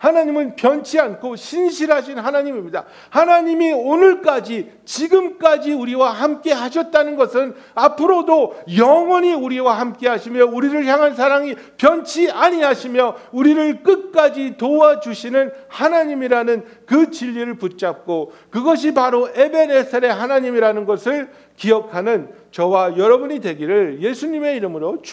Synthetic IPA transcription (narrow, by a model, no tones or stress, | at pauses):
hanaɲimɯnpjʌnt͡ɕʰiankʰoɕʰinɕʰiɾɦaɕ̬ʰinɦanaɲimimɲida̰ | hanaɲimionɯɭk͈ad͡ʑi | t͡ɕiɡɯmk͈ad͡ʑiuɾiwahamk͈e̞ɦaɕʰʌt̚t͈anɯnɡʌsʰɯn | apʰɯɾodojʌŋwʌɲiuɾiwahamk͈e̞ɦaɕʰimjʌuɾiɾɯɭçjaŋɦans̬ʰaɾaŋi | pjʌnt͡ɕʰiaɲiɦaɕʰimjʌuɾiɾɯɭk͈ɯt̚k͈ad͡ʑitoad͡ʑuɕʰinɯnhanaɲimiɾanɯnkɯt͡ɕiʎːiɾɯɭput̚t͡ɕ͈ap̚k͈okɯɡʌɕ̬ʰipaɾoʔe̞be̞ne̞sʰeɾe̞ɦanaɲimiɾanɯnɡʌsʰɯɭ | kiʌkʰanɯn | t͡ɕʌwajʌɾʌbuɲidwe̞ɡiɾɯɭje̞sʰuɲime̞iɾɯmɯɾot͡ɕ